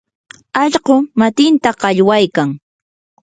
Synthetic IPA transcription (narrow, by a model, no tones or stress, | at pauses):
ɑʎɢʊmat̪ɪnt̪aɢɑʎwajkaŋ